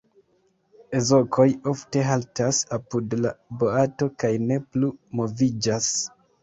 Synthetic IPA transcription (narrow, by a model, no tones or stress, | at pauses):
e̞zo̞kʰo̞jo̞fte̞ɦaltasapudlabo̞ato̞kajne̞plumo̞vid͡ʒas